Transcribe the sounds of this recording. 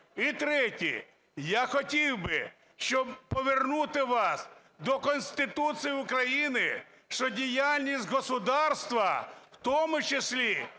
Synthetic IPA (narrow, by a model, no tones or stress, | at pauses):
it̪ɾɛtʲḭ | jaxɔtʲiwbɪ | ʃt͡ʃɔbpɔʋernut̪ɪʋɑs | d̪ɔkɔnʲst̪ɪt̪ut̪sɨjʊkɾɐjinɪ̰ | ʃt͡ʃɔdʲijalʲnʲisʲtʲɦɔsʊd̪ɑrst̪ʋɐwt̪ɔmʊt͡ʃesʲlʲi